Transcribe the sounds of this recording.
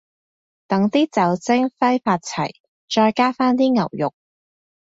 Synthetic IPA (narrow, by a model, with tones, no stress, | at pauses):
t̪ɐ˨˥ŋt̪iː˥t͡sɐ˨˥wt͡sɪ˥ŋfɐ˥jfaː˧t̚t͡sʰɐ̰˨˩j | t͡ʃɔː˧jkaː˥faː˥nt̪iː˥ŋɐ̰˨˩wjʊ˨k̚